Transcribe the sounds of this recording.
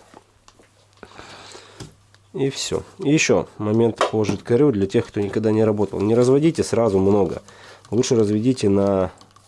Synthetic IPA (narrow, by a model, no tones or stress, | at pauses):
ifsʲo̰jjɪɕːo̞̰mɐmʲe̞nt̪poʐɨt̪kɐɾʲud̪lʲɐtʲe̞xkt̪onʲɪkɐɡ̚d̪anʲɪɾɐbo̞t̪ə̰lˠnʲɪɾəzvɐdʲitʲɪsɾazʊmno̞ɡə̰lˠutʂɨɾəzvʲɪdʲitʲɪnɐ